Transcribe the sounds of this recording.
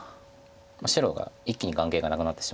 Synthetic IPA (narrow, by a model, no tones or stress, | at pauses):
maɕiɾo̞ːɡa̰ikʲːiɲ̟iɡãŋke̞ːɡanakɯ̟nat̪ːe̞ɕi̥